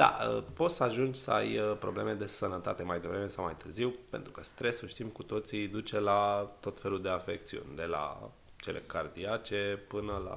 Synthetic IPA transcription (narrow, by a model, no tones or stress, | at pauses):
d̪a̰ə̰po̞t̪səaʒund͡ʒʲsəa̰jəpɾo̞ble̞̰me̞d̪e̞sənət̪a̰t̪e̞majd̪e̞vɾe̞me̞sawmajt̪ɨrziwpe̞̰nt̪ɾukəst̪ɾe̞suʃt̪imkut̪o̞t̪sid̪ut͡ʃe̞lat̪o̞t̪fe̞lud̪e̞afe̞k̚t̪siṵnʲd̪e̞la̰ | t͡ʃe̞lʔe̞̰kard̪iat͡ʃe̞pɨnəla̰